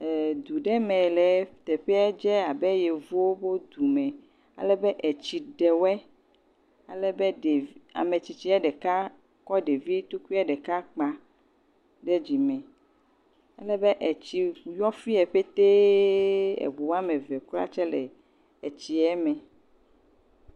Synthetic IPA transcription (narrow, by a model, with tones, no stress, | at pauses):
ɛ˨d̪u˨ɖɛ˦mɛ̃˨lɛ˨t̪ɛ˨ɸɛ˦ɛ˦d͡ʒɛ˦a˨bɛ˦jɛ˨vu˦wo˦bo˦d̪u˨mɛ̃˨ | a̰˨lɛ˦bɛ˦ʔɛ˨t͡ɕi˨ɖɛ˨wɛ˦ | a˨lɛ˦bɛ˦ɖe˨a̰˨me˨t͡ɕi˨t͡ɕi˨˦ɛ˦ɖɛ˨ka˦ | kɔ˦ɖe˨vi˦t̪o˦kʷi˦ɛ˦ɖɛ˨ka˦k͡pã˨ | ɖɛ˦d͡ʑi˨mɛ̃˨ | a˦lɛ˦bɛ˦ʔɛ˨t͡ɕi˨jɔ˦fi˦ɛ˨ɸe˦t̪e˦ | ɛ̰˨ɡ͡bu˨wa˦mẽ˨vɛ˨kla̰˦t͡ʃɛ˦lɛ̰˨ | ɛ˨t͡ɕi˨ɛ˦mɛ̃˨